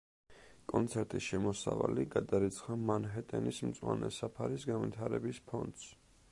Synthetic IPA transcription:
kʼɔnt̪sʰɛɾt̪ʼisʃɛmɔsa̰valiɡad̪aɾit̪sʰχamanɦɛt̪ʼɛnismt̪sʼwanɛsapʰaɾisɡanvit̪ʰaɾɛbispʰɔnd̪s

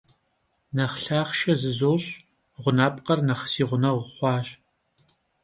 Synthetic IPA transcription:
nɐχɬaːχʃɐzɨzoːɕʼ | ʁʷʊnaːpʼqɐrnɐχsiːʁʷʊnɐʁʷʊχʷɑːɕʼ

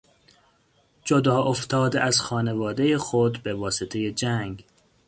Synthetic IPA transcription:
d͡ʒod̪ɒːʔoft̪ʰɒːd̪eæzxɒːnevɒːd̪ejexod̪be̞vɒːset̪ʰejed͡ʒæŋɡ

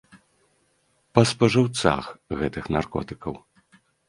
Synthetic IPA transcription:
pɐspɐʐɨwt̪sa̰xɣɛt̪ɨxnarkɔ̰t̪ɨkɐw

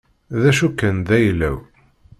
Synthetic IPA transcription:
ðæʃukːənd̪æjlːæ̰w

